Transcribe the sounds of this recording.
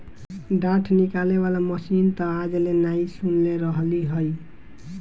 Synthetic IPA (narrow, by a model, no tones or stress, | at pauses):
ɖaʈʰnikaleβalaməsint̪ɔ̃ad͡ʒlenaisunleɾəɦliɦoj